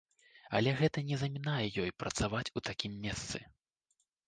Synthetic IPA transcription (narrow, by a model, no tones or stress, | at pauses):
ɐ̰lʲɛɣɛt̪ɐnʲɛzɐmʲinajɛjɔjpɾɐt̪savat͡sʲut̪akʲimːʲɛst̪sɨ̰